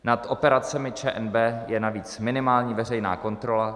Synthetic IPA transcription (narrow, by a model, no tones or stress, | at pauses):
nat̪ʔo̞pɛɾat͡sɛmɪt͡ʃɛːʔɛnbɛːjɛnaviːt͡smɪnɪmaːlɲiːvɛr̝ɛjna̰ːko̞nt̪ɾo̞la